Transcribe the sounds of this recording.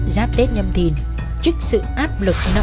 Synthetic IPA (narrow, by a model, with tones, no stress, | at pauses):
zaː˨˦˥p̚t̪e˦˥t̚ɲə˧mt̪ʰi˨˩ən | t͡ɕɨ˦˥k̚sɨ̰˧˨ʔaː˦˥p̚lɨ˨˩k̚nɔ˨˦